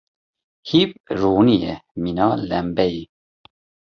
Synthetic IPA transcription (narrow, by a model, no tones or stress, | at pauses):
hipɾuːnijɛminɑːlɛmbɛji